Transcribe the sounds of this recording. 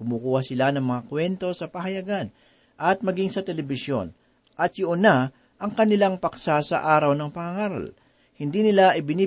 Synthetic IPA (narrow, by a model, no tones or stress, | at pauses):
kʊmukuːhɐsɪlanɐŋmɐŋakwɛnt̪o̞sɐpɐɦɐjɐɡan | ʔɐt̪̚mɐɡiŋsɐt̪ɛlɛbɪsjo̞̰n | ʔɐt̪jʊʔʊna | ʔɐŋkɐnɪlaŋpɐksasɐ̰ʔaːɾɐwnɐŋpɐŋɐŋaːɾɐ̰l | hɪnd̪iːnɪlaʔɪbɪniː